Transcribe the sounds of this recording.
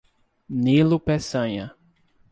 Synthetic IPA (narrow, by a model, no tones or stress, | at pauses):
nilʊpesɐ̃ɲɐ